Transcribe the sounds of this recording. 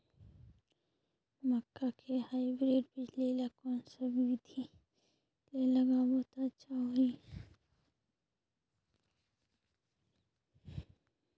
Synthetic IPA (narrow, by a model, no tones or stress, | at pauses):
məkːakʰehaːibɾeːɖbɪd͡ʒlilakõːnsəbɪd̪ʱi | lelɐɡabot̪at͡ʃʰaoi